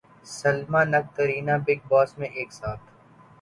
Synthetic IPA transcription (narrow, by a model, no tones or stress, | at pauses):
sɐlmanɐk̚t̪əɾiːnabɪɡ̚bɔːsmẽʔeːksaːt̪ʰ